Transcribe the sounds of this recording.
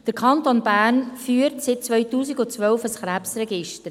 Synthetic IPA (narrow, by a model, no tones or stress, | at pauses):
d̥əɾkʰɑntonbæːrnfyːəɾtsɪt̚t͡sʋœʏtuːsiɡʊt͡sʋœlfəsχɾæpsrɛɡɪʃtəɾ